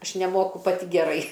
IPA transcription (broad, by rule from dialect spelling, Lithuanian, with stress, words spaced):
ˈɐʃ nʲɛˈmoːkʊ pɐˈtʲɪ ɡʲɛˈrɐɪ